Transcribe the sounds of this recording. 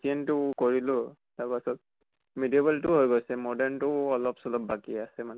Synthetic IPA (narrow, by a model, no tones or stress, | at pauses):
sientʊkoɹilʊ | taɹpasɔt̪̚ | midiebɛltʊɦojɡojsɛmɔdɛɹntʊɔlɔpsɔlɔp̚bakiasɛmanɛ